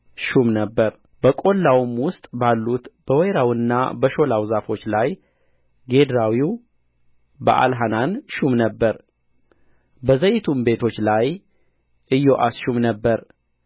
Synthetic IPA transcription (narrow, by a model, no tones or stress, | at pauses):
ʃumnəbːəɾ | b̥əkʼo̞lːawmwʊst̪ʼbalːut̪b̥əwɛjɾawɨnːa̰bəʃo̞lawzafo̞t͡ʃːlaj | ɡe̞d̪ɾawiw | bə̰ʔa̰lɦananʃumnəbːəɾ | bəzəjɪt̪ʰumbe̞t̪ʰo̞t͡ʃːlaj | ʔɨjːo̞ʔasʃumnəbːəɾ